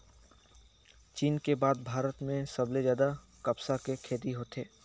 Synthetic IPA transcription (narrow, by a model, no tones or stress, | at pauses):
t͡ʃiːnkebaːd̪̚bʱaːɾət̪mẽsəblezjaːd̪a | kɐpsakekʰeːd̪iɦoːt̪eː